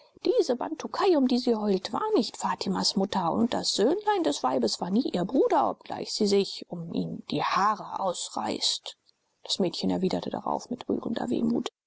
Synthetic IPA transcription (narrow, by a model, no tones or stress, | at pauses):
d̥iːzəba̰ntukʰaɪʊmdiːziːhɔʏltv̥a̰ːɐnɪçtfaːtʰɪmasmʊtʰɐʊ̰nt̚d̥asz̥øːnlaɪndɛsv̥aɪbəsv̥aːɐniːʔiːɐbʁuːdɐɔp̚ɡ̥la̰ɪçz̥iːzɪçʊmʔḭːnd̥iːhaːʁəʔa̰ʊsʁ̥a̰ɪst | d̥ḁsmɛːtçənɛɐviːdɐtʰəda̰ʁa̰ʊfmɪtʁy̰ːʁən̩dɐ̰vḛːmṵːt